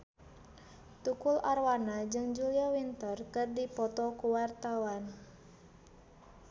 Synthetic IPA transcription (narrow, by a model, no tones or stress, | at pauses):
t̪ukʊlʔarwanad͡ʒɨŋd͡ʒuliawint̪ərkərdipɔt̪ɔkuwart̪awan